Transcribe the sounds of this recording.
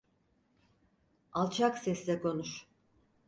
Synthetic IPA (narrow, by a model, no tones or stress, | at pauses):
alˠt͡ʃʰaksɛslʲɛkʰo̞nuʃ